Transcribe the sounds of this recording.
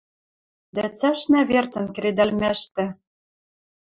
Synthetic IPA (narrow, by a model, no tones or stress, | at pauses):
d̪æt͡sæʃnæβert͡sə̆nkɘ̆ɾed̪ælmæʃt̪ɘ̆